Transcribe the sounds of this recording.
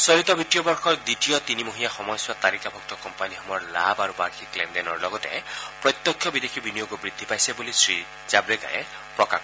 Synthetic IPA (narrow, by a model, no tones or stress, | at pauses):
sɔɾit̪ɔbʱitijɔbɔɹxʰɔɹd̪itijɔt̪inimoɦijaxɔmɔjswat̪aɾikabʱɔk̚t̪ɔkɔmpaniɦɔmɔɹlabaɾubaɹkʰiklendenɔɹlɔɡɔt̪ḛpɹɔt̪jɔkʰːjɔbid̪ekʰibinijoɡubɹid̪ʱːipajsebulisɹi | zabɾeka̰jḛ | pɹɔka̰k